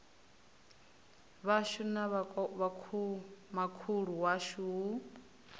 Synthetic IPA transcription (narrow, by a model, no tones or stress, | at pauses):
βaʃunaββa | makʰuɺuwaʃuu